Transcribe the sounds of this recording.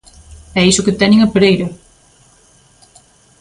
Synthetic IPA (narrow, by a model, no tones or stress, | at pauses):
ɛisʊket̪ɛɲɪŋɐpeɾejɾɐ